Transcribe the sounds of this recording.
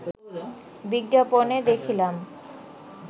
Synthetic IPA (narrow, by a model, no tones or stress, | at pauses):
biɡːaponed̪ekʰilam